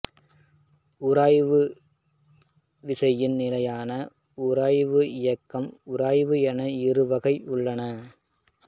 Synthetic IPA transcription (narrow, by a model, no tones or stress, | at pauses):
ʊɾaːjʋɯ | ʋɪsɐjɪnnɪlɐjaːnɐ | ʊɾɐːjʋɯɪjɐkːɐmʊɾaːjʋɯɛnɐɪrɯʋɐɣɐɪʔʊɭːɐnɐ